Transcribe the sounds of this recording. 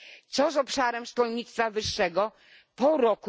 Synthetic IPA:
t̪sɔsɔpʂaɾɛmʂkɔlɲit̪st̪favɘʂːɛɡɔ | pɔɾɔku

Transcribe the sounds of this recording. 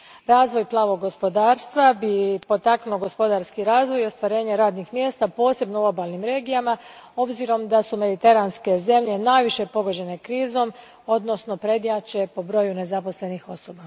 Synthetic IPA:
ɾaːzʋo̞jplˠaːʋo̞ɡːo̞spo̞d̪aːɾst̪ʋabipo̞t̪aknuloɡo̞spo̞d̪aɾskiɾaːzʋo̞jo̞st̪ʋaɾe̞ːɲe̞ɾaːd̪nixmje̞ːst̪apo̞ːse̞bnouobalˠnimɾe̞ːɡijamao̞bziɾo̞md̪asume̞d̪it̪e̞ɾanske̞ze̞mʎe̞naːjʋiʃe̞po̞ɡo̞d͡ʑe̞ne̞kɾiːzo̞m | o̞d̪no̞sno̞pɾe̞d̪jat͡ʃe̞po̞bɾo̞june̞zapo̞sle̞nixo̞so̞ba

